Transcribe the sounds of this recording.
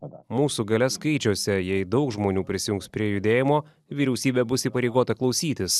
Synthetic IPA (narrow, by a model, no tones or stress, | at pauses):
muːsuɡɐlʲɛskɐɪt͡ʃʲoːsʲɛjɛɪd̪ɒʊkʒmoːnʲuːpʲɾʲɪsʲɪjʊ̃ŋkspʲɾʲiɛjʊd̪ʲeːjɪmoː | ʋʲiːɾʲɛʊsʲiːbʲɛbʊsiːpɐɾʲɛɪɡoːt̪ɐklˠɒʊsʲiːt̪ʲɪs